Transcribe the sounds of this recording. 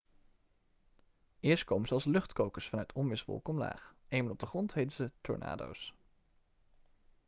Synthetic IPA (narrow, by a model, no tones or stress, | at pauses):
ɪːɹst̚kowmənzəɑlˠslɵχtkowkəsfɑnœɥtʰɔmʋɪsʋɔ̰lˠkɔmla̰ːχejmənɔb̚dəχrɔntɦejtzətɔ̰ɹna̰ːdo̰ws